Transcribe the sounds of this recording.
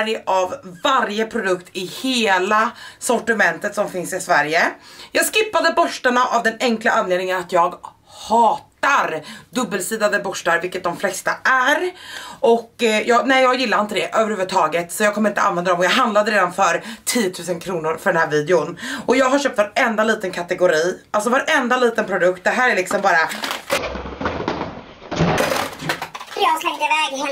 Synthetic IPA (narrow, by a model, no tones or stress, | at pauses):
ɾɪʔavːaɾjəpʰɾʊd̪ɵkt̪ʰɪheːlasɔʈɪmɛnt̪ət̪sɔmfɪnsɪsvæɾjəjɑːɡskɪpːad̪əbœʂʈaɳaʔavd̪ɛnɛŋklaʔanleːd̪nɪŋənat̪jɑːɡ | hɑːt̪aɾd̪ɵbːəlsiːd̪ad̪əbɔʂʈaɾvɪlkːət̪̚d̪ɔmflɛst̪aʔæɾʔɔkːjɑːnɛɪjɑːɡjɪlːaɾɪnt̪əd̪ɛʔøːvəɾhʉ̟vət̪ʰɑːɡət̪sɔjɑːɡkʰɔmːɾɪnt̪ə̰ʔanvɛnd̪ad̪ɔmɔjɑːɡɦand̪lad̪əɾeːd̪anfœɾt̪ʰiːjːət̪ʰʉːsənkʰɾuːnʊɾfœɖɛnhæːɾviːd̪ɛʊnʔɔjɑːɡɦaɾʂɕœːp̚t̪vaɾɛnd̪aliːt̪ənkʰat̪ɛɡʊɾiːʔals̬ɔvaɾʔɛnd̪aliːt̪ənpʰɾʊd̪ɵkt̪̚d̪ɛɦæːɾæɭɪksɔmbɑːɾa | jɑslɛŋd̪əɪvɛːɡ